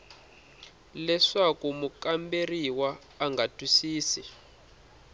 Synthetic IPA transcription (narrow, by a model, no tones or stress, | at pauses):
lɛʂakumukamberiwaː | ŋɡatʼwisiːsi